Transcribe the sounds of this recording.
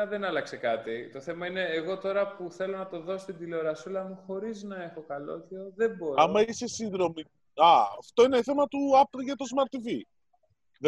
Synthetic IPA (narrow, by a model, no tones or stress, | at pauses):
ðenɐlɐkse̞kɐt̪it̪o̞θe̞mɐine̞ːɣo̞t̪o̞ɾɐpuθe̞lo̞nɐt̪o̞ðo̞st̪ind̪ilo̞ɾɐsulɐmuxo̞ɾiznɐe̞xo̞kɐlo̞̰çoðe̞boɾɐmɐisesinðɾo̞mi | ɐɐft̪o̞ineθe̞mɐt̪uɐpʝɐt̪o̞zmɐɾt̪ivi | ðe